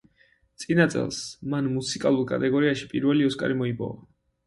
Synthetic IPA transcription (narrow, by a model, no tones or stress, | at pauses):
t̪sʼinat̪sʼɛ̰lˠsmanmusʰikʼalˠuɾkʼa̰t̪ʼɛɡɔɾiaʃi̥pʼiɾvɛliɔskʼa̰ɾimɔipʼɔ̰va̰